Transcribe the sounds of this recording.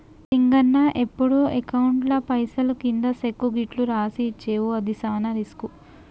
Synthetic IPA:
tiŋɡɐnːɐʔepːuɽuekɐwuɳʈlɐpɐjsɐlukind̪ɐsekːuɡiʈluɾaːsiːt͡ʃːeːwuɐd̪isaːnɐɾisku

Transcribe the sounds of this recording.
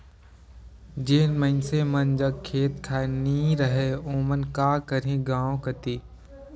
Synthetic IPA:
d͡ʒeːnmə̃ɪnsemənd͡ʒɐɡ̚kʰːeːt̪kʰaːniːɾəɦeõːmənkaːkəɾẽɡãːõkət̪iː

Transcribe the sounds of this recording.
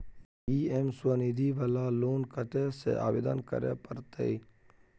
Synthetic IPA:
iːemsəniːd̪iːʋəlaːloːnkəʈ̪esḛʔa̰ːbid̪ə̰nkə̰ɾḛːpəɾt̪ḛi

